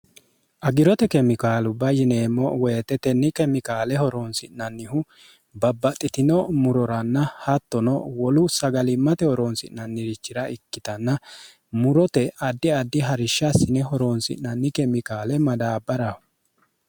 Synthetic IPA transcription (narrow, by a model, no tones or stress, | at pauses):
ʔɐɡɪɾɔt̪ɛkɛmɪkaːlʊbɐjɪneːmːɔweːt̪ːɛt̪ɛnːɪkɛmɪkaːlɛhɔɾonsɪnɐnːɪhʊ | bɐbːɐt̪ʼːɪt̪ɪnɔmʊɾɔɾɐnːɐhɐt̪ːɔnɔwɔlʊsɐɡɐlɪmːɐt̪ɛhɔɾonsɪ̰nːɐnːɪɾɪt͡ʃːɪɾɐʔɪkːɪt̪ɐnːɐ | mʊɾɔt̪ɛɐd̪ːɪɐd̪ːɪɦɐɾɪʃːasɪnɛɦɔɾonsɪ̰ʔnːɐnːɪkɛmɪkaːlɛmɐd̪aːbːɐɾɐhʊ